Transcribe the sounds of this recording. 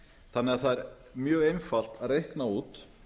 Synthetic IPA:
θanːɪɣaðθaðɛɾ | mjœːɣejnfal̥t̪aðrejhknauːt̪

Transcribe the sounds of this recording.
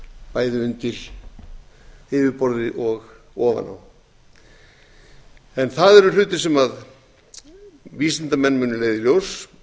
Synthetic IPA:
paːjðɪʏnt̪ɪl | ɪːvɪpɔɾðɪʔɔɣ | ɔːva̰na̰w | ɛnθaðɛɾʏl̥ʏːt̪ɪ̥sɛmað | visɪnt̪amɛnːmʏːnʏleːjðɪljows

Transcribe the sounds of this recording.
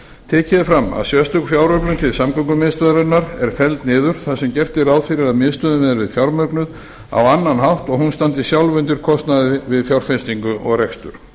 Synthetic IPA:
t̪ʰɛːcɪðɪfɾamːa̰ðsjɛst̪œkfjawɾœplʏnt̪ʰɪlsamkɔŋkʏmɪːðst̪œðɾʏnːaɾɛɾ̥fɛlt̪nɪːðʏɾ̥θaðsɛmcɛr̥t̪ɪɾawðfɪɾɪɾaðmɪðst̪œðʏmɛðɾvɪðfjawɾmœɥknʏð | a̰wanːanɦawht̪ɔɣhunst̪ant̪ɪsjawlvʏnt̪ɪɾ̥kʰɔst̪naðɪvɪðfjawɾ̥fenst̪iŋkʏʔɔɣrɛkst̪ʏɾ̥

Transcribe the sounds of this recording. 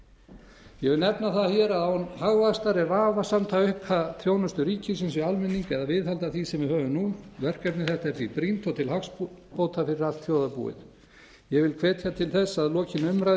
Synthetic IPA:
jɛɣvɪlnɛpnaθaçjɛɾaðaunhaɣvast̪aɾɛɾvaːvasamt̪ʰaʏhphaθʰɾjoːwnʏst̪ʏɾiːcɪsɛns̬ʏalmɪnːiŋkɛðavɪðhalt̪aθisɛmvɪhœːvʏnuvɛr̥kap̪nɪθɛht̪aɛɾθipɾint̪ɔt̪ʰɪlhakspowt̪ʰafɪɾɪɾal̥t̪θjoːwðapṵːɪ̰ð | jɛvɪlkʰvɛːt̪ʰjat̪ʰɪlθɛsːaðlɔːcɪnʏmɾa

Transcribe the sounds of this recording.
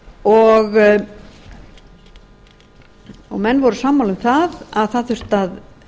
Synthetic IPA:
ɔɣ | ɔɣmɛnːvɔɾʏsaːmːaːlʏmθaðaðθaðθʏɾ̥t̪að

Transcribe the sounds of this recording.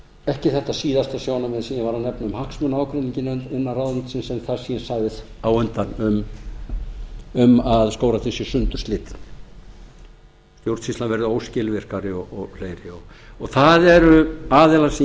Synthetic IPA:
ɛhcɪθɛht̪ːasiːðast̪asjownavɪðsiːðɪvaɾanɛpnaʏmhahksmʏnaːwkɾʏniɲcɪnnɪnːarawðant̪sɪnsɛmθaðsiːɛnsaːɣðɪðawʏnt̪anʏm | ʏmaðskoːwɾaθɪsɪsʏnt̪ʏɾ̥st̪lɪːt̪ɪ | st̪jowɾt̪sist̪lanvɛɾðɪoːwscɪːlvɪr̥kaɾɪɔɔɣl̥eːjɾɪɔ | ɔɣθaðɛɾʏaːðɛlas

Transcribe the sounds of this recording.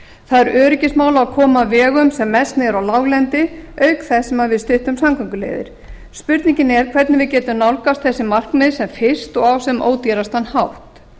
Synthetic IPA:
θaðɛɾœːɾɪcɪsmaːwlaakʰɔːmavɛːɣʏmsɛmːɛst̪nɪɛɾawlawɣlɛnt̪ɪœɥkθɛsːɛmaðvɪðst̪ɪht̪ʏmsamkʰʏŋkʏlḛːjðɪ̰ɾ̥ | spʏɾt̪niɲcɪnɛɾ̥kʰv̥ɛɾt̪nɪvɪðcɛːt̪ʏmnawlkast̪θɛsːɪmar̥kmɪðsɛmfɪ̥st̪ɔɣawsɛmʔo̰ːwt̪jɛɾast̪anːhawht̪

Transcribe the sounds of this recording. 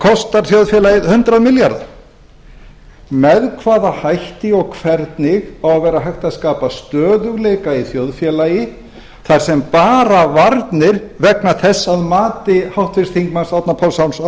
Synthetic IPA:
kʰɔst̪aɾ̥θjowðfjɛlajɪðhʏnt̪ɾaðmɪljaɾða̰ | mɛðkʰvaːðahajht̪ɪɔɣkʰvɛɾt̪nɪɣawavɛːɾaɦajht̪aðskaːpast̪œːðʏɣlejkaiθjowðfjɛːlajɪ | θaɾ̥sɛmpaːɾavaɾt̪nɪɾvɛknaθɛsːaðmaːt̪ɪhawht̪fɪst̪ʰiŋkmansawt̪napʰɔwlsawns

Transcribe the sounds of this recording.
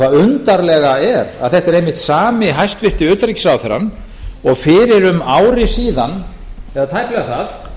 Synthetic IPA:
aðʏnt̪aɾlɛɣaɛɾa̰ðθɛht̪ɛɾejmɪht̪saːmɪɦajst̪vɪr̥t̪ɪʏːt̪ɾicsawθɛɾa̰n | ɔɣfɪɾɪɾʏmaːwɾɪsiːðan | ɛvðat̪ʰajplɛɣaɾθaθ

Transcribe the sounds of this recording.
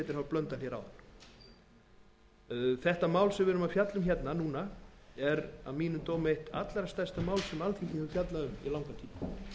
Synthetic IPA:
ɛt̪ɪɾhawplœnt̪al̥jɛɾa̰wða̰n̥ | θɛht̪amaːwlsɛvɪːɾʏmafjat̪lʏmçjɛt̪nanuːnaɛɾa̰ðmiːnʏmt̪oːwmejht̪a̰t̪laɾast̪ar̥st̪amaːwlsɛmalt̪ʰiŋcɪnʏfjat̪laðʏmḭlawŋkat̪ʰiːma

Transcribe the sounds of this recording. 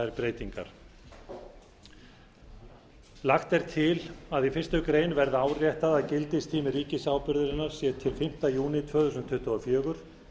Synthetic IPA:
ɛɾpɾeːjt̪iŋka̰ɾ̥ | laxt̪ɛɾ̥t̪ʰɪlaðifɪ̥st̪ʏkɾeːjnvɛɾðʏaːwrjɛht̪aðaðcɪlt̪ɪst̪ʰiːmɪriːcɪsaːwpʏɾðʏɾɪnːaɾ̥sɛðt̪ʰɪlfɪm̥t̪ajuːnɪt̪ʰvœːθusʏnt̪ʰʏht̪ʏɔfjœːɣʏɾ̥

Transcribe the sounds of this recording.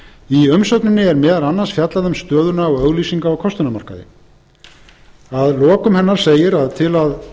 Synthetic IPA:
iʏmsœt̪nɪnːɪɛɾmɛːðalanːansfjat̪laðʏmst̪œːðʏnaːwœɣliːsiŋkaɔkʰɔst̪ʏnamar̥ka̰ðɪ̰ | aðlɔːkʏmhɛnːaɾ̥seːjɪɾaðt̪ʰɪlað

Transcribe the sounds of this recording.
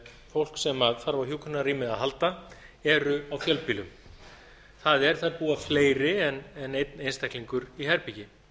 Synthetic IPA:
fowl̥ksɛmaðfaɾvahjukʰʏnaɾiːmɪðaðɦalt̪aɛɾʏawfjœlpiːlʏm | θaðɛɾ̥θaðpuːafleːjɾɪɛnɛnejt̪nejnst̪ɛjkliŋkʏɾiɦɛɾpicɪ

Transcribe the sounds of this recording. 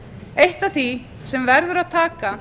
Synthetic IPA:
ejht̪aθi | sɛmvɛɾðʏɾaðt̪ʰaːka

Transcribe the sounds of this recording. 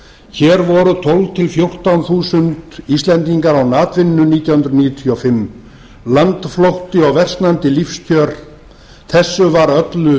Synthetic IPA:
çɛːɾvɔɾʏt̪ʰowlvt̪ʰɪlfjowr̥t̪awnθuːsʏnt̪ist̪lɛnt̪iŋkaɾawnaːt̪vɪnːʏniːt̪jawhʏnɾʏniːjʏt̪ʰiɔfɪmː | lant̪floht̪ɪɔɣvɛr̥sknant̪ɪlifscʰœːɾ̥ | θɛsːʏvaɾœt̪lʏ

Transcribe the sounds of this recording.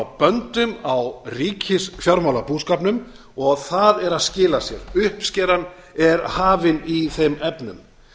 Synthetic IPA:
wpœnt̪ʏmawriːcʰɪsfjawɾmawlapuːskaːpnʏm | ɔɣθaðɛɾaðscɪːlasjɛɾʏhpscɛːɾan | ɛɾhaːvɪniθejmɛpnʏ̰m

